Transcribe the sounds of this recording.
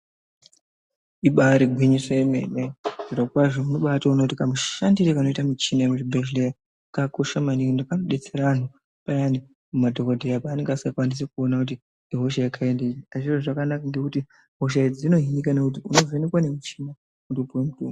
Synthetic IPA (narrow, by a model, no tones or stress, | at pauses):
iɓaɾiɡʱwiɲiseemeneʐiɾokwaʐomunoɓataunotikamuʃandiɾekano̞itamit͡ʃinaekutibʱeʒlea | kakoʃamanindakanoɗet͡seɾaʋan̤u | pajani | mumadʱokodʱejapaːne̞ŋɡasakwandis̬ekuonakut̬i | iɦo̞ʃaikʰaendeiaʐiroʐakanakaŋɡekuti | ɦoʃ̬aid͡zino̞ɦinikanekut̬iuno̞venekwane̞mit͡ʃina | kundopuwemutuːma